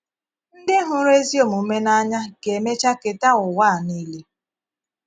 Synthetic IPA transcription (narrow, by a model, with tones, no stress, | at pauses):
n̩˦dɪ˦ɦʊ˦ɾe˦zi˦o˨mu˨˦me˦na˦ɲa˦ɡe˨me˦t͡ʃa˦ke˨ta˦ʊ˨waː˦˨ni˦le˦